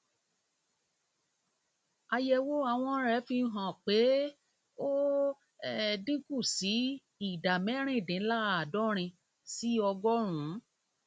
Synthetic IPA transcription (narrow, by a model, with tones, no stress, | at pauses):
a˧jɛ˧wo˦a˦˧˨w̃ɔ̃˧˦ɾɛ˨˦fi˧˦ɦã˨k͡pe˨˦ | o˦ | ɛ˦dĩ˦ku˦˨si˨˦ | i˦˨da˨mɛ̃˨˦ɾ̃ĩ˦˨dĩ˨˦la˦a˨dɔ˦ɾ̃ĩ˧ | si˦ɔ˧ɡɔ˦ɾ̃ũ˨˦